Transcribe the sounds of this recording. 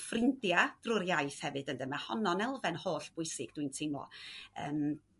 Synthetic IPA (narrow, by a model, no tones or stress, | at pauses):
frɪndjad̥rʊɾjajθhɛvɨdəndəmahɔnɔnɛlˠvɛnhoːɬb̥ʊɨsɪɡ̥̚d̥wintʰɪmɔ̰ə̰ːm